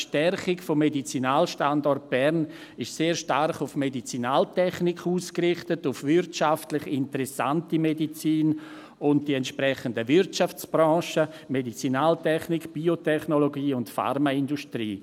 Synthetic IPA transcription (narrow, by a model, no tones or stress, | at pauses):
ʃtɛrχɪkfɔmːedit͡sinaːlʃtandɔrt̚b̥ɛɾn | ɪʃseːɾʃtaɾχʊfmedit͡sinaːltɛχnɪkʰuːskrɪχtətʊfvɪɾtt͡ʃaftlɪχɪntəɾɛsa̰ntimedit͡siːn | ʊnt̚d̥iɛntʃpɾɛχəndəvɪɾtt͡ʃaft͡sb̥ɾɔ̃ːʃə | medit͡sinaːltʰɛχnikb̥iotʰɛχnoloɡiːʊntfa̰ɾmaɪndustɾiː